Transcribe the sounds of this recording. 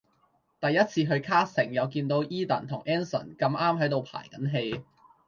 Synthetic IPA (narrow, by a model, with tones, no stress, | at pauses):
t̪ɐ˨jːɐ˥t̚t͡sʰiː˧ɦɵ˧ɥkʰaː˥sɪ˨˩ŋjɐ˨˧wkiː˧nt̪o˧˥wʔiː˥t̪ɐ̰˨˩nt̪ʰʊ˨˩ŋʔɛː˥nsɐ̰˨˩nkɐ˧mʔaː˥mɦɐ˨˥jt̪o˨wpʰa̰ː˨˩jkɐ˨˥nɦe˧j